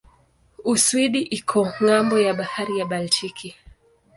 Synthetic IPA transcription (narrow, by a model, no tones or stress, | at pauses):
uswiɗiʔikʰɔŋambɔjaɓahaɾijaɓaltʰikʰi